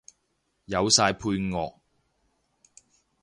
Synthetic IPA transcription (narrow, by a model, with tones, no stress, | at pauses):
jɐ˨˧wsaː˧jpʰuː˧jŋɔː˨˧k̚